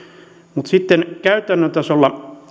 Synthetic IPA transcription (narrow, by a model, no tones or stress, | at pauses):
mut̪sit̪ːenkæyt̪ænːøt̪æsolːɑ